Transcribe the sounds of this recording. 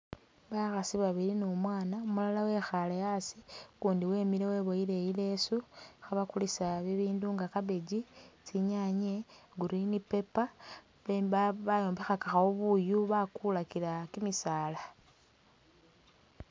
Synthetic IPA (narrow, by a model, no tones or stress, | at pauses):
βaxasiβaβiɾinomwaːnaumulalawe̞xalejasikuːndiwe̞ːmilewe̞ːβo̞ile̞jile̞suxaβakulisaβiβiːnduŋɡakaβeɟit͡siɲaɲe̞ɡuɾinipe̞pa | βeβaβajo̞ːmbexakaxaoβujuβakulakilakimisaːla